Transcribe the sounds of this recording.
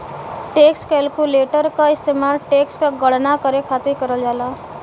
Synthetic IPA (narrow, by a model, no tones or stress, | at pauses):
ʈekskelkuleʈəɾkaist̪emaɾʈekskaɡʌɽnakʌɾekʰat̪ikʌɾəld͡ʒala